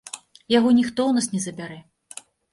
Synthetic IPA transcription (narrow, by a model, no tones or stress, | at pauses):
jaɣɔnʲixt̪ɔwnasnʲɛzɐbʲaɾɛ